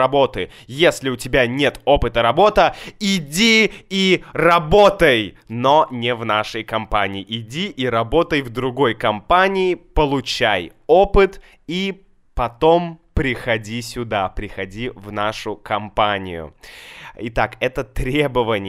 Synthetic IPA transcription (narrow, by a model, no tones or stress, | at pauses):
ɐbo̞t̪ɨ | jesʲlʲɪʊtʲɪbʲanʲet̪o̞pɨt̪əɾɐbo̞t̪əɪdʲiirɐbo̞t̪əjnonʲɪvnaʂəjkɐmpanʲɪːʔɪdʲiʔiɾɐbo̞t̪əjvd̪ɾʊɡo̞jkɐmpanʲɪɪpəlˠʊt͡ɕaj | opɨt̪ | i | pɐt̪o̞mpɾʲɪxɐdʲisʲʊd̪apɾʲɪxɐdʲivnaʂʊkɐmpanʲɪ̰jʊ̰ | ɪt̪akɛt̪ət̪ɾʲe̞bəvənʲɪ